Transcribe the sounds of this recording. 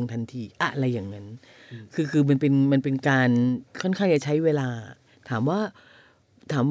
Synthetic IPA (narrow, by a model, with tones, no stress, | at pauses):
o˧ŋt̪ʰa˧nt̪ʰiː˧ʔa̰˧ʔɾa˧jːaː˨˩ŋŋa˦˥n | kʰɯː˧kʰɯː˧ma˧npe˧nma˧npe˧nkaː˧nkʰɔ˥˩nkʰaː˥˩ŋjaː˨˩t͡ɕʰa˦˥jweː˧laː˧ | t̪ʰaː˩˦mwaː˥˩ | t̪ʰaː˩˦m